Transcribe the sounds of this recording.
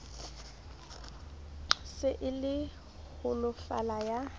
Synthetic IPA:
sɪʔɪlɪ | hʊlʊfa̰laja

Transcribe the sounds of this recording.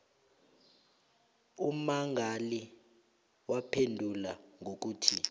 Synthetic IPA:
umaŋʱali | wapʰendʱulaŋʱok̬uːtʰi

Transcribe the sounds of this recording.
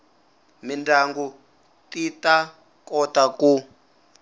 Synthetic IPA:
mindʱaŋɡu | tita | kɔtaku

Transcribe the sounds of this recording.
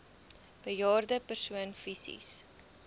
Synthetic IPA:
b̥əjɑːrdəpərsuənfisḭs

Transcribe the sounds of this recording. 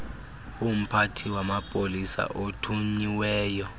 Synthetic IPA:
um̩pʰatʰiwamapʼolisa̰ʔotʰuɲiwɛːjɔ

